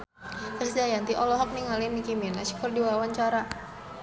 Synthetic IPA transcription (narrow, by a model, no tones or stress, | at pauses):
kəsd͡ʒajant̪iʔɔlɔɦɔk̚niŋalinːikiminasi̥kɔrdiwawaɲt͡ʃaɾa